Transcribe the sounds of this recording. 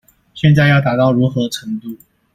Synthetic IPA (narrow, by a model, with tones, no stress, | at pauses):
ɕjɛ˥˧nt͡sa˥˧ɪjɑ˥˩ʊt̪a˨˩t̪ɑ˥˩ʊɻu˧˥xɤ˧˥ʈ͡ʂʰə˧˥ŋt̪u˥˩